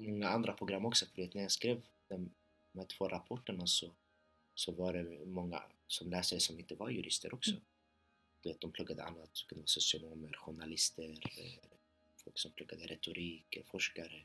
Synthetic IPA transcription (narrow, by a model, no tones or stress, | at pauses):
mɔŋːaand̪ɾapʰɾʊɡɾamːɔksɔfœɾveːt̪næɾjaskɾeːv | d̪̥ɛm | mɛt̪ʰv̥oːɾʔapʰɔʈːəɳasɔ | sɔvaɖɛmɔŋːa̰sɔmlɛːsɛsɔmɪnt̪əvaɾjʉɾɪst̪əɾʔɔksɔ | d̪̥ɛveːt̪̚d̪ɔmplɵɡːad̪ə̰a̰nːat̪kʰɵnd̪əvaːsʊsɪʊnoːməɾɧʊɳalɪst̪əɾ | fɔlksɔmpʰlɵɡːad̪əɾʔɛt̪ʊɾʔiːkəɾfɔʂkaɾə